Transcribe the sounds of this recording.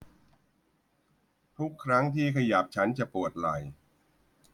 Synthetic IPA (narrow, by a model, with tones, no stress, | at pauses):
t̪ʰu˦˥kʰːɾa˦˥ŋt̪ʰiː˥˩kʰa˧jaː˨˩p̚t͡ɕʰa˦˥nt͡ɕa˨˩ʔpu˨˩ət̪̚la˨˩j